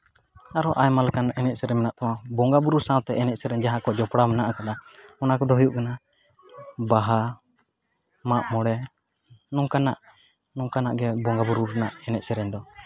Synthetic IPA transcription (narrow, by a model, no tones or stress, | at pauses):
aɾɔʔajmalkanɛnɛt̪̚sɛɾɛmɛnaʔt̪ɔwabɔŋɡabuɾusãwt̪ɛʔɛnɛc̚sɛɾɛɲd͡ʒaɦakɔd͡ʒɔpɽamɛnaʔakad̪aɔnakɔd̪ɔɦujuʔkana | baɦa | maʔmɔɽɛ | nukanaʔ | nuŋkanaʔɡɛbɔŋɡabuɾuɾɛnaʔɛnɛc̚sɛɾɛɲd̪ɔ